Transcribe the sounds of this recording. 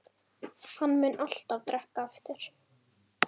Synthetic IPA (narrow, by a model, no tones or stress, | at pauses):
hanːmʏnʔal̥t̪avt̪ɾɛhkaɛft̪ɪɾ̥